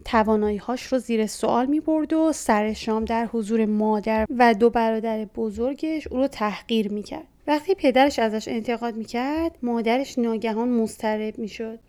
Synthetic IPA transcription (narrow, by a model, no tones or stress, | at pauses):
t̪ʰævɒːnɒːjiːhɒːʃɾoziːɾeso̰ʔɒ̰ːlmiːbo̞ɾd̪osæɾe̞ʃɒːmd̪æɾhozuːɾe̞mɒːd̪æɾvæd̪obæɾɒːd̪æɾe̞bozo̞ɾɟe̞ʃuːɾot̪ʰæhɢiːɾmiːcʰæ̰ɾdvæχt̪ʰiːpʰe̞d̪æɾe̞ʃæzæʃe̞nt̪ʰe̞ɣɒːd̪miːcʰæɾd̪̥mɒːd̪æɾe̞ʃnɒːɟæɦɒːnmost̪ʰæɾe̞bmiːʃod̪̥̚